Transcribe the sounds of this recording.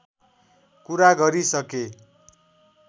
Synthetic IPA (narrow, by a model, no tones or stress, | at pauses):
kuɾaɡʌɾisʌke